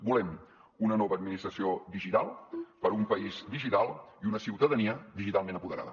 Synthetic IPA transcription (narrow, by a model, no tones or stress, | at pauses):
bulɛm | unənɔβəːd̪̚minist̪ɾəsiod̪iʒit̪alˠpəɾumpəizd̪iʒit̪alˠiunəsiwt̪əðəniəd̪iʒit̪alˠmẽnəmpuðəɾa̰ðə